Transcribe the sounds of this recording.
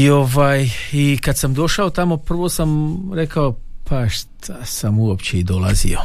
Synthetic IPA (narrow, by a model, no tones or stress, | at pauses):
io̞ʋaːjikad̪samd̪o̞ʃaot̪amo̞pr̩ʋo̞samɾe̞kaopʰaʃt̪ʰasamuopt͡ɕeid̪o̞lˠa̰zḭo̞